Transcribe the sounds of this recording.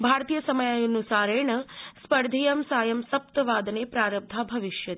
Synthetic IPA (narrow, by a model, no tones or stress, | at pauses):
bʱaːɾt̪ijəsəməjajonusaːɾeɳəspəɾd̪ʱijɐmsaːjɐmsɐp̚t̪əʋaːd̪nepɾaɾəb̚d̪ʱabʱɐʋiʃjɐt̪